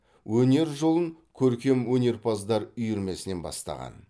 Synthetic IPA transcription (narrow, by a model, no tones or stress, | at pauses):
wɵne̞ɾʒo̞lˠəŋkʲʰɵɾkʲe̞mwɵne̞ɾpʰazd̪ɑɾʏjʏɾme̞sɪne̞nbɑ̰st̪ɑ̰ʁɑ̰n